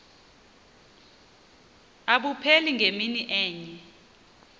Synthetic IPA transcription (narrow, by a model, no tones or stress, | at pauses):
aɓupʰeliŋɡʱeminiʔɛːɲɛ